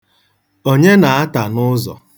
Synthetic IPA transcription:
o˦ɲe˦na˨a˦ta˨nʊ˦zɔ̰˨

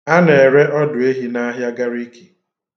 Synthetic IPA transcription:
a˦ne˨e˨ɾe˦ʔɔ˦dʊ˨e˦ɦi˦na˦ɦja˦ɡa˦ɾi˦ki̥˨

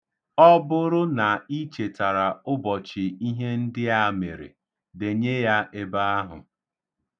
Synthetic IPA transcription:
ɔ˦bʊ˦ɾʊ˦na˨i˦t͡ʃe˨ta˨ɾa˨ʊ˦bɔ˨t͡ʃɪ˨i˦ɦe˦n̩˦dɪ˦a˦˨me˨ɾḛ˨ | de˨ɲe˦ja˦e˦ba˦a˦ɦʊ̰˨

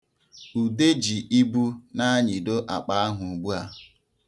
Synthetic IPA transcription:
u˨de˦d͡ʒi˨ʔi˦bu˦na˦ɲi˨do˦ʔa̰˨k͡pa˨a˦ɦʊ˨ɡ͡bu˦a˨

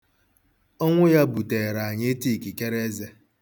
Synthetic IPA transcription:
ɔ˦ŋʷʊ˦ja˦bu˨te˨ɾa˨a˨ɲe˦e˦ti˦˨ki˨ke˦ɾe˦ze˦

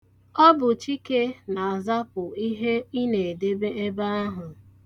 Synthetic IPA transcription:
ɔ˦bʊ˨t͡ʃi˦ke˦na˨a˨za˦pʊ˨i˦ɦe˦i˦ne˨e˨de˦be˦e˦ba˦a˦ɦʊ˨

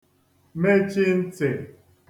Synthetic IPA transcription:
me˦t͡ʃɪ˦n̩˦tɪ˨

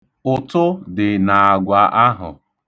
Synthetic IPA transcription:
ʊ˨tʊ˦dɪ˨na˨a˨ɡʷa˨ʔa˦ɦʊ̰˨

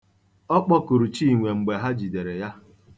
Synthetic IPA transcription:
ɔ˦k͡pɔ˦ku˨ɾu˨t͡ʃi˦˨ŋʷe˨ŋ͡m̩˨ɡ͡be˨ɦa˦d͡ʒi˨de˨ɾe˨ja˦

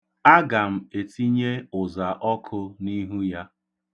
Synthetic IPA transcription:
a˦ɡa˨m̩˨e˨ti˦ɲe˦ʊ˨za˨ʔɔ˦kʰʊ˦ni˦ɦu˦ja˦

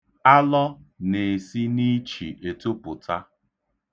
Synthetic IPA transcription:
a˦lɔ˦ne˨si˦ni˦t͡ʃḭ˨ʔe˨to˦pʊ˨ta˦

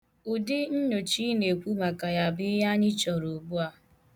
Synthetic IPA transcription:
ʊ˨dɪ˦n̩˦ɲo˨t͡ʃi˦ne˨kʷu˦ma˨ka˨ja˨bɪ˦ja˦ɲɪ˦t͡ʃɔ˨ɾo˨bu˦a˦˨

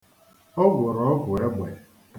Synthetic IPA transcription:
ɔ˦ɡʷʊ˨ɾɔ˨ɔ˦ɡʷʊ˨e˦ɡ͡bʷḛ˨

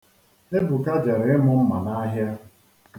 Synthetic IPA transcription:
e˦bu˨ka˦d͡ʒe˨ɾɪ˨ɪ˦mʊ˦m̩˦ma̰˨na˦ɦja˦

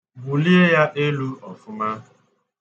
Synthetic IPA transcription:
bu˨li˦e˦ja˦ʔe˦lu˦ɔ˨fʊ˦ma˦˨

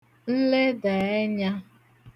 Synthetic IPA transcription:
n̩˦le˦da˨e˦ɲa˦

